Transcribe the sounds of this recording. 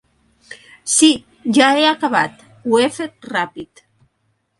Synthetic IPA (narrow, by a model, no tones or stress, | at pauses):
si | ʒaeakaβa̰t̪ | wefet̪̚rapit̪